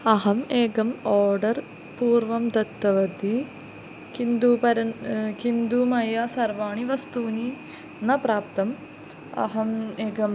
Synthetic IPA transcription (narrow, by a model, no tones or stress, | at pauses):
ɐɦɐmeːɡɐmoːɾɖɐr | puːɾʋɐmd̪ɐt̪ːɐʋɐd̪i | kind̪upɐɾɐnkind̪umɐjaːsɐrʋaːɳiʋɐst̪uːni | nɐpɾaːpt̪ɐm | ɐ̰ɦɐmeːɡɐm